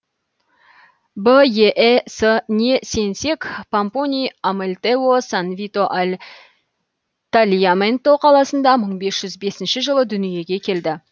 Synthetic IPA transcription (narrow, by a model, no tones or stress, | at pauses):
bəjeʔsənʲese̞nse̞kpamponʲijamelʲt̪eosanvit̪o̞ʔalʲ | t̪alʲijament̪o̞qʰɑlˠɑsənd̪ɑməɴbe̞sʒ̥ʏzbe̞sɪnʃɪʒəlˠəd̪ʏnije̞ɡʲe̞kʲʰe̞ld̪ɪ